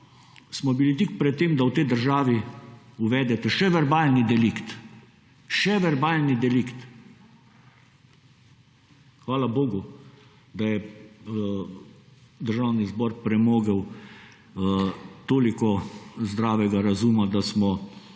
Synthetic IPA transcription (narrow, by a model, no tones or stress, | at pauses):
smɔbilit̪ikpɾɛt̪ːeːmd̪awt̪ɛjd̪əɾʒaːʋiuʋɛːd̪ɛt̪ɛʃɛʋɛɾbaːlnid̪ɛlikt̪ | ʃɛʋɛɾbaːlnid̪ɛlikt̪ | xʋaːlaboːɡu | d̪ajɛ | d̪əɾʒawnizbɔɾpɾɛmoːɡəw | t̪oːlikɔzd̪ɾaːʋɛɡaɾazuːmad̪asmɔ